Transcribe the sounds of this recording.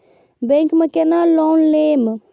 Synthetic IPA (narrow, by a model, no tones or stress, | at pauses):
bẽŋkmekenalɔnlem